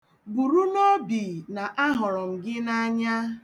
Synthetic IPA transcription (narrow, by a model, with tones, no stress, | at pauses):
bu˨ɾu˦no˦bi˨na˨ʔa˦ɦʊ˨ɾɔ˨m̩˨ɡɪ˦na˦ɲa˦